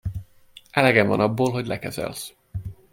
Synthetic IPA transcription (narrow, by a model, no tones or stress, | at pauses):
ʔɛlɛɡɛmvɒnɒbːoːlɦoɟlɛkɛzɛ̰ls